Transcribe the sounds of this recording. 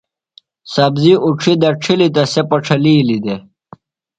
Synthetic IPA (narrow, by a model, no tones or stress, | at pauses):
sɐbziʔuʈ͡ʂʰid̪ɐʈ͡ʂʰilit̪ɐsepɐʈ͡ʂʰɐliːlid̪e